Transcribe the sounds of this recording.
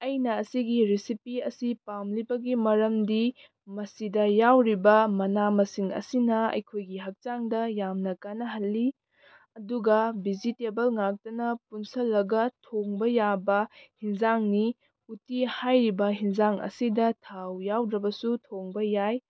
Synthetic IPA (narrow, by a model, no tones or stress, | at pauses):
ɐjnɐːsiɡiɾisipiɐsipamlibɐɡimɐɾɐmdi | mɐsidɐjawɾibɐmɐnamɐsiŋɐ̰sinɐɐ̰jkʰojɡiɦɐk̚t͡ʃaŋdɐjamnɐkanɐɦɐlːi | ɐduɡɐbid͡ʒitebɐlŋak̚tɐnɐpunsɐlːɐɡɐtʰoŋbɐjabɐhinzaŋni | utihajɾibɐɦinzaŋɐ̰sidɐtʰawjawdɾɐbɐsutʰoŋbɐjaj